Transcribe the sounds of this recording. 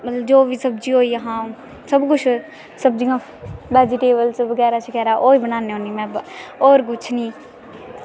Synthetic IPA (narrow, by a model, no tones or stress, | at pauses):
mət̪ləbd͡ʒoːʋisəb̚d͡ʒioːiəɦãː | səbkʊt͡ʃʰ | səb̚d͡ʒiãː | bɛːd͡ʒiːʈeːbəlsʋəɡɛːɾat͡ʃʰikɛːɾaʔoːibənaːneõːniːmɛ̃ːɔːɾɡʊt͡ʃʰniː